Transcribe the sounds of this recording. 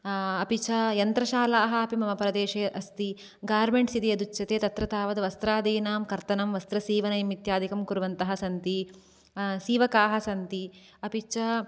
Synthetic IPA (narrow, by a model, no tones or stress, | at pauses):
ɐpit͡ʃɐjɐnt̪ɾɐʃaːlaːɦɐ̆ɐpimɐmɐpɾɐd̪eːʃeːʔɐst̪i | ɡaːɾmeɳʈsid̪ijɐd̪ut͡ʃːɐt̪eːt̪ɐt̪ɾɐt̪aːʋɐd̪ɐʋɐst̪ɾaːd̪iːnaːmkɐɾt̪ɐnɐmʋɐst̪ɾɐsiːʋɐnɐjɐmit̪jaːd̪ikɐmkuɾʋɐnt̪ɐɦɐsɐnt̪i | siːʋɐkaːɦɐ̆sɐnt̪i | ɐpit͡ʃɐ